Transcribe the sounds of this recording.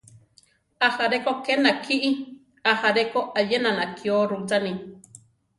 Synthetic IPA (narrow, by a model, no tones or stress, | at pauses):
ahaɾekokenakʰiʔi | ahaɾekoʔajenanakʰioɾut͡sanĩ